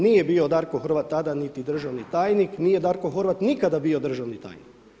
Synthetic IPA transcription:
nije̞biod̪aɾkoxr̩ʋat̪ːad̪anit̪id̪r̩ʒaʋnit̪aːjnikniːje̞d̪aːɾkoxoɾʋat̪nikad̪abio̞d̪r̩ʒaʋnit̪a̰ːjnik

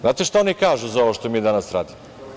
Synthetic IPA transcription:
zaːt̪eʃt̪aonikaːʒuzaoʋoʃt̪omiːd̪anasɾa̰ːd̪imo

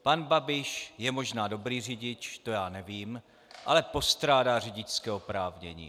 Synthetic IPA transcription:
panbabɪʃjɛmo̞ʒnaːdo̞bɾiːrɪɟɪt͡ʃt̪o̞jaːnɛviːm | ʔa̰lɛpo̞st̪ɾaːdaːr̝ɪɟɪt͡ʃt͡skɛːopɾaːvɲɛ̰ɲḭː

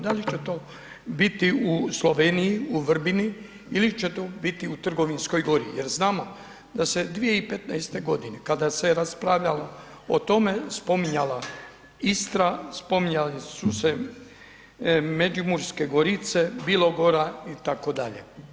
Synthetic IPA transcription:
d̪alit͡ʃet̪o̞ː | bit̪iuslˠo̞ʋenijiuʋr̩bini | ilit͡ʃet̪oːbit̪iut̪r̩ɡo̞ʋinsko̞jɡo̞ɾḭjeɾznaːmo̞ | d̪ased̪ʋije̞ipe̞t̪najst̪e̞ɡo̞d̪inekad̪aseɾaspɾaʋʎalo | o̰t̪o̞me̞spo̞miɲala | ist̪ɾaspo̞miɲalesuse | med͡ʒimuɾskeɡoɾit̪se̞bilˠo̞ɡo̞ɾait̪ako̞d̪aʎe̞̰

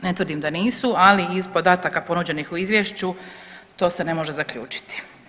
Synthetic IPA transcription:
net̪ʋər̩d̪imd̪aniːsualiːzpo̞d̪aːt̪akapo̞nud͡ʑe̞nixuizʋjeʃt͡ɕut̪oːsene̞mo̞ʒezakʎṵːt͡ʃi̥t̪i̥

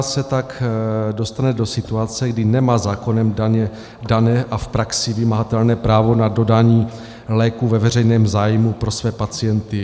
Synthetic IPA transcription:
sɛt̪akdo̞st̪anɛdo̞sɪt̪uat͡sɛɡdɪnɛmaːzaːko̞nɛmdaɲɛ | danɛːʔafpɾaksɪvɪmaɦat̪ɛlnɛːpɾaːvo̞nado̞daːɲiː | lɛːkuvɛvɛr̝ɛjnɛːmzaːjmupɾo̞svɛːpat͡sɪjɛnt̪ɪ

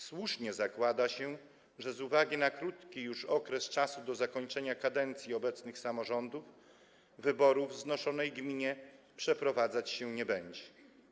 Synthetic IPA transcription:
swuʂɲɛzakwad̪aɕɛ | ʐɛzuvaɡʲinakɾut̪kʲijuʂɔkɾɛst͡ʂasud̪ɔzakɔɲt͡ʂɛɲakad̪ɛnt̪sʲjiɔbɛt̪snɘxsamɔʐɔnd̪uf | vɘbɔɾuvznɔʂɔnɛjɡmʲiɲɛ | pʂɛpɾɔvad̪zat͡ɕɕɛɲɛbɛɲd͡ʑɛ̥

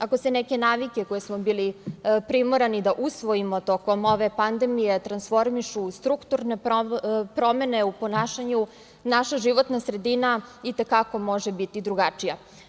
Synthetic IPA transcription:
akoseneke̞naːʋike̞ko̞jesmo̞bilipɾimoɾanid̪aʔusʋoimot̪o̞ko̞mo̞ʋe̞pand̪e̞mije̞t̪ɾansfo̞ɾmiʃust̪ɾukt̪uɾne̞ | pɾo̞me̞ne̞upo̞naːʃaɲu | naʃaʒiʋo̞t̪nasɾe̞d̪inait̪e̞kako̞mo̞ʒebit̪id̪ɾuɡat͡ʂija

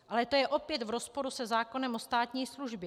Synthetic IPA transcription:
alɛt̪o̞jɛʔo̞pjɛt̪vɾospo̞ɾusɛzaːko̞nɛmʔost̪aːt̪ɲiːsluʒbjɛ

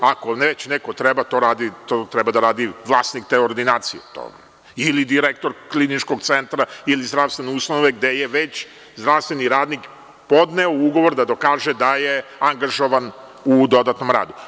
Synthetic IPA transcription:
ako̞net͡ɕnekot̪ɾɛbat̪o̞ɾaːd̪it̪ot̪ɾɛbad̪aɾaːd̪iʋlˠaːsnik̚t̪eoɾd̪inaːt̪sijḛt̪o̰ | ilid̪iɾek̚t̪o̞ɾklinit͡ʃko̞ɡt̪sent̪ɾailizd̪ɾafst̪ʋeneust̪anoʋeɡd̪ejeʋet͡ɕ | zd̪ɾaʋst̪ʋeniɾaːd̪nik | po̞d̪neouɡo̞ʋo̞ɾd̪ad̪o̞kaːʒed̪aje̞aŋɡaʒo̞ʋan | ud̪o̞d̪at̪no̞mɾa̰ːd̪u

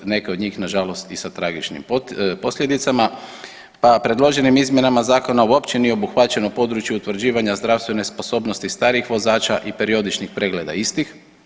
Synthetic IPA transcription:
ne̞keo̞d̪ɲiːxnaʒalo̞st̪isat̪ɾaɡit͡ʃnḭmppo̞slʎe̞d̪it̪sama | papɾe̞d̪lˠo̞ʒe̞nimizmʲje̞namazaːko̞nauo̞pt͡ʃenijeo̞buxʋat͡ʃe̞nopo̞d̪ɾut͡ʃjuut̪ʋɾ̩d͡ʑiːʋaɲazd̪ɾawst̪ʋe̞nespo̞so̞ːbno̞st̪ist̪aːɾiixʋo̞zaːt͡ʃaʔipe̞ɾio̞d̪it͡ʃnixpɾe̞ɡle̞ːd̪a̰ist̪ix

